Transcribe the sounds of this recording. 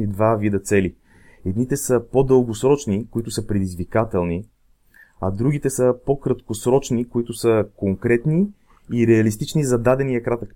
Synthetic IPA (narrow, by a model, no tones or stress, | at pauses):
id̪vavid̪ət̪sɛli | ɛd̪nit̪ɛsəpod̪ɤlˠɡosɾɔt͡ʃnikoit̪ʊsəpɾɛd̪izvikat̪ɛlˠni | ɐd̪ɾuɡʲit̪ɛsəpokɾət̪kosɾɔt͡ʃnikoit̪ʊsəkoŋkɾɛt̪niː | ɾɛɐlist̪it͡ʃnizɐd̪ad̪ɛnijɐkɾat̪ək